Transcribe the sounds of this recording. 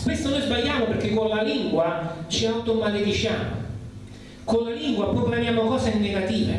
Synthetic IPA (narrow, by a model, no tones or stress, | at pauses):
kwest̪onojzbaʎːaːmoperk̟ːekːonlaliŋɡwat͡ʃiawt̪omalefit͡ʃjaːmo̰ | konlaliŋɡwapurimanjaːmokɔːseinːeɡat̪iːvḛ